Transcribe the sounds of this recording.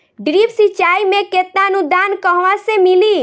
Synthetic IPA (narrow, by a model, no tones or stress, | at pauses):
ɖɾipsit͡ʃaimeket̪naənud̪ankəɦʋasẽmili